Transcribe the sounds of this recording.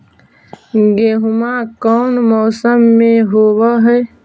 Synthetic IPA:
ɡeːɦʊmakɔːnmɔːsəmːẽɦoːwəɦɛː

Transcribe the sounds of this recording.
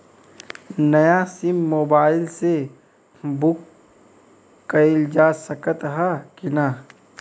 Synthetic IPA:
nɐjasɪmːoːbaːɪlse | bʊk | ɐɪld͡ʒaːsəkət̪ɦakina

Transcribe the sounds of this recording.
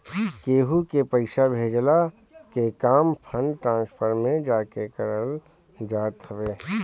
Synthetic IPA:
keːɦukepɐɪʃabʱeːd͡ʒla | kekaːmpʰənʈɾãːnspʰəɾmẽd͡ʒaːkekɐɾəl | d͡ʒaːt̪ʰəʋeː

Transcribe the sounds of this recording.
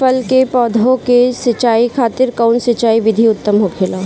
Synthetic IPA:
fəlkepɔːd̪ʱõkesɪt͡ʃaːikʰaːt̪ɪɾkaʊnsɪt͡ʃaːiʋɪd̪ʱiʊt̪ːəmɦokʰeːlaː

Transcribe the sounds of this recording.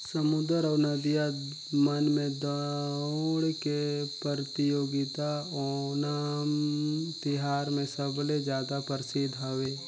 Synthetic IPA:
səmʊd̪əɾɔːɾnəd̪ija | mənmẽd̪ | ɽkepəɾt̪ɪjoːɡɪt̪aɔnaːmt̪ɪɦaːɾmẽsəbled͡ʒjaːd̪apəɾɪsɪd̪ʱɦəʋeː

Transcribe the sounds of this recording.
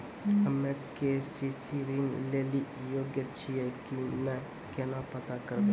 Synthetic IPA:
əmːɛ̃kesisiɾinleːlijoːɡjət͡ʃʰiɛkimɛ̃ | kenapət̪akəɾbẽ

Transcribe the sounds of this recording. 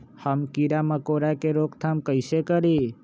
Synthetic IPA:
həmkiɾaməkoɾakeɾoːkt̪ʰamkəɪsekəɾi

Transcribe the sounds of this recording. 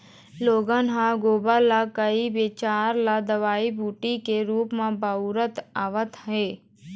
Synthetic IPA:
loːɡənɦãɡoːbalakəiʋeːt͡ʃaːɾlad̪əʋaːibʱuːʈikeɾuːpmãbəuɾət̪aːʋət̪ɦɛː

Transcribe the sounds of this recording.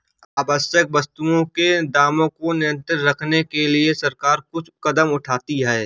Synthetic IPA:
aːbəsjək̚bɐst̪uõked̪aːmõkonɪjə̃nt̪ɾɪɾɾɐkʰnekeliesɐɾkaːɾkʊt͡ʃʰkɐd̪əmʊʈʰaːt̪iɦɛː

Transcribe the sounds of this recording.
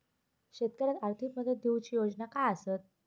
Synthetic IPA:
ɕet̪̚kəɾat̪aɾt̪ʰikməd̪ʱːjed̪ʱiwt͡ɕiːjod͡znakaəsət̪̚

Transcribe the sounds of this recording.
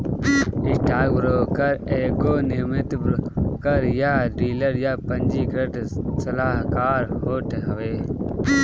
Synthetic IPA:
ɪsʈaːɡbɾoːkɐɾeːkoːnɪmɪt̪bɾkɐɾjaːɖiːləɾjaːpɐ̃ɲd͡ʒiːkɾəʈsɐlaːɦkaːɾhoːʈʰeɦɐʋeː

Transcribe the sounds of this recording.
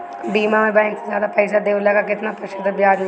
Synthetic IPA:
ɖiːmamẽbɛ̃ːŋksezjaːd̪apɛːsad̪eːʋlɐkakɪt̪napəʃəd̪əbjaːd͡ʒ

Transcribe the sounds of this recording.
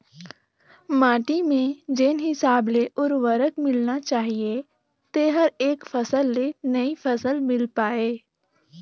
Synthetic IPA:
mãːʈimẽd͡ʒeːnɦɪsaːbleʔʊɾʋəɾəkmɪlnat͡ʃaːɦie | t̪eɦəɾeːkfɐsəlːenɐifɐsəlmɪlpaːeː

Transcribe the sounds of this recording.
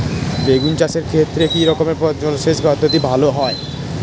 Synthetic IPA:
beɡunt͡ɕaʃeɾkʰet̪ːɾekiɾɔkomeɾpɔd͡ʑɔlʃeʃbɔd̪ʱːot̪ibʱaloɦɔe

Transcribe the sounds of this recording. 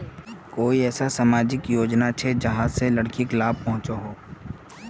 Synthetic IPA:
koːiɛːsasaːmaːd͡ʒɪkjoːd͡ʒnat͡ʃʰed͡ʒɐɦãselɐɽkiklaːb̚pɐɦʊ̃t͡ʃoɦoː

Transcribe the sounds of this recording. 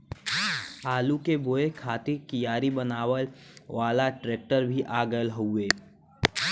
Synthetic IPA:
aːlukeboːekʰaːt̪ikijaːɾibənaːwəlʋaːlaʈɾeːk̚ʈəɾbʱiʔaːɡəlɦoeː

